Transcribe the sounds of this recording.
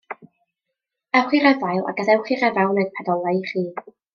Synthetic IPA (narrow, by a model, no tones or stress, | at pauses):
ɛwχirɛvajlˠa̰ɡaðɛwχirɛvawnɛdpʰɛdɔlˠajχiː